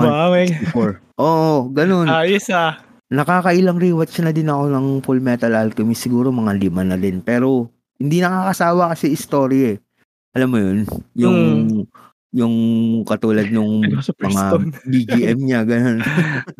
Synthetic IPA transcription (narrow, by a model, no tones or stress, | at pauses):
awɐjɪfoɹʔoːʔoɡɐno̞najɛsa | nɐkaːkɐʔɪlaŋɾiːwɐt̪t͡ʃnɐd̪ɪnɐko̞nɐŋpulmɛt̪ɐlalk̪ɐmisːɪɡuːɾo̞mɐŋalimanɐd̪ɪnpɛːɾo̞ | hɪnd̪inɐkaːkɐsaːwɐkɐsiʔɪst̪o̞ːɾjaɛ | ʔɐlamːojonjʊŋ | jʊŋkɐt̪uːlɐd̪̚nʊŋmɐŋabiɡiʔɛmɲaɡɐno̞n